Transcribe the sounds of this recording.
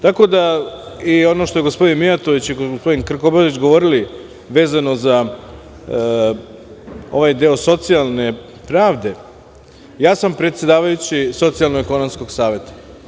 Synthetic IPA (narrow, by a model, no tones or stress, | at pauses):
t̪ako̞d̪a | io̞no̞ʃt̪o̞jeɡospo̞d̪inmiat̪oʋit͡ɕiɡoospo̞d̪inkr̩kobait͡ɕɡo̞ʋo̞ɾili | ʋe̞ːzano̞za | o̞̰ʋajd̪eo̞so̞t̪sialˠne̞ | pɾaːʋd̪e̞ | jaːsampɾet̪sje̞d̪aːʋajut͡ɕiso̞t̪sialnoɡeko̞nomsko̞ɡsaːʋe̞t̪ḁ